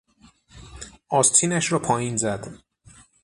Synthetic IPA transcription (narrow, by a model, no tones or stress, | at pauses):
ʔɒːst̪ʰiːnæʃɾɒːpʰɒːjiːnzæd̪̥